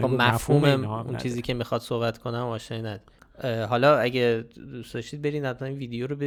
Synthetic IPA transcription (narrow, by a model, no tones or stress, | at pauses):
bɒmæfhuːmeṵnt͡ʃiːziːcʰe̞mixɒd̪̥so̞hbæt̪ʰkʰo̞næmɒːʃnɒːenæd̪ | ɦɒlɒæɟed̪usd̪ɒʃt̪iːd̪be̞ɾiːnæd̪inviːd̪ejoɾobe